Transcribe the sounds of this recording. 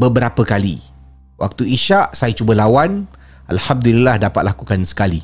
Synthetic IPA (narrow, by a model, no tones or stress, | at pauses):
bəbəɾapəkalḭ | wʔa̰k̚t̪uiʃaʔsajat͡ʃubəlawan | ʔa̰lħam̚d̪ulilːahdapat̪̚lakukansə̥kali